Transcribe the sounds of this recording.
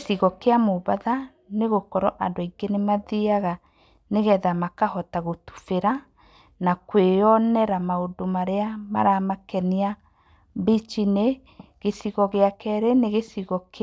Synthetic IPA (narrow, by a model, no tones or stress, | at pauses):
θiɣɔkeamoβaða | neɣokɔɾɔʔandoiŋɡenemaðiaɣa | neɣɛðamakahɔtaɣotu̥feɾa | nakweɔnɛɾamaodomaɾeama̰ɾamakɛnia | bit͡ʃine | ɣesiɣɔɣeakɛɾeneɣesiɣɔk